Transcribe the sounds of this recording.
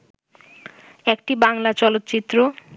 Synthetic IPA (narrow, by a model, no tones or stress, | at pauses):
ek̚ʈibaŋlat͡ɕɔlot̪ːt͡ɕit̪ːɾo